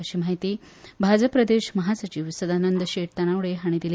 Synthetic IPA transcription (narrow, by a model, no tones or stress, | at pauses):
əɕiːmaɦit̪iː | bʱad͡zəpɾəd̪eɕməɦasət͡ɕiʋsəd̪anənd̪əɕeʈ̚t̪əɽ̃aʋɭeɦaɽ̃id̪il